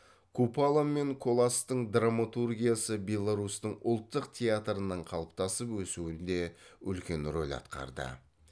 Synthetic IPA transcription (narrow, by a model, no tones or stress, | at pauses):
kʰupalˠamːe̞ŋkʰo̞lˠast̪əɴd̪ramat̪urɡʲijasəbʲe̞lˠːaɾust̪əɴʊlˠt̪ːəqt̪ʲʰe̞at̪ɾənəɴqʰɑlˠəp̚t̪ɑsəpwɵsuɪnd̪e̞ʏlkʲe̞nro̞lʲɑ̰t̪qɑ̰ɾd̪ə̰